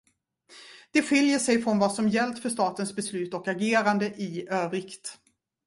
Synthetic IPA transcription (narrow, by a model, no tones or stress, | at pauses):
d̪̥ɛɧɪljəʂɛjfɾɔnvɑːsɔmjɛlt̪fœʂt̪ɑːt̪ənsbɛslʉ̟ːt̪ɔkaɡeːɾand̪əʔɪøːvɾɪkt̪